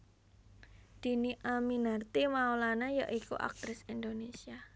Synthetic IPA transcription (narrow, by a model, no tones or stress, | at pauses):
d̪̥i̤niʔaminart̪imaolanaja̰ʔikṵʔa̰k̚t̪ɾɪsind̪onesia